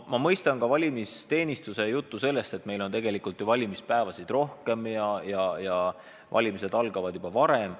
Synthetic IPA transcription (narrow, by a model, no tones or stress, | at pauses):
mɑmɤjst̪ɑnkɑvɑlʲimist̪e̞ːnʲist̪use̞jut̪ˑːuse̞lːe̞st̪e̞t̪me̞jlo̞nt̪e̞ɡ̥e̞likult̪juvɑlʲimispæevɑsid̪̥ro̞hke̞mjɑjɑjɑ | vɑ̰lʲimise̞d̪̥ɑlɡ̥ɑvɑd̪jub̥ɑvɑɾe̞m